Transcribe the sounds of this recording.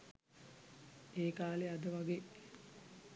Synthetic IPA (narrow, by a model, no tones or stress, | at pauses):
eːkaːlead̪əʋaɡe